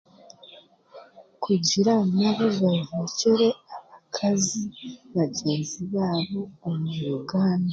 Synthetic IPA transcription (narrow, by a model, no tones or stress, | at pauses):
kʰuɟiɾanaβozaveceɾe̞aβakʰaziβaɟeːnziβaːβoːmuɾuɡaːnda